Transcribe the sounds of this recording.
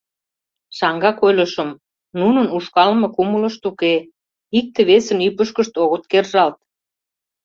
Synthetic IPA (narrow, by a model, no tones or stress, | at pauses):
ʃɑŋɡɑkojlʲə̆ʃə̆m | nunə̆nuʃkɑlmɤ̆kumələ̆ʃt̪uke | ik̚t̪ĕβesə̆nypəʃkə̆ʃt̪oɣə̆t̪̚kerʒɑlt̪̚